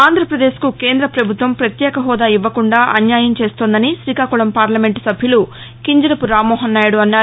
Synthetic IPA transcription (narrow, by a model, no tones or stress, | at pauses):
aːnd̪ʱɾɐpɾɐd̪e̞ːʃkukeːnd̪ɾɐpɾɐbʱut̪ʋɐmpɾɐt̪jɛːkɐɦɔːd̪aːiʋːɐkuɳɖaːʔɐnjaːjɐmt͡ʃe̞ːst̪oːnd̪ɐniʃɾiːkaːkuɭɐmpaːɾlɐme̞ɳʈu̥sɐbʱjulu | kiɲd͡ʒɐɾɐpuɾaːmːɔːɦɐnːaːjuɽuɐnːaː